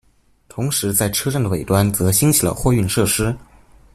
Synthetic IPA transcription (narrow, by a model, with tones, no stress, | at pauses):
t̪ʰʊ˧˥ŋʂɻ̩˧˥t͡sa˥˩ɪʈ͡ʂʰɤ˥ʈ͡ʂə˥˩ŋd̪ə˩we˨˩ɪt̪wa˥nt͡sɤ˧˥ɕi˥ŋt͡ɕʰi˨˩lə̰˧˦xwɔ˥˧y˥˧nʂɤ˥˩ʂɻ̩˥